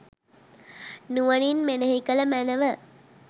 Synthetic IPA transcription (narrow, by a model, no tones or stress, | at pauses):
nuʋɐninmenəɦikələmænəʋə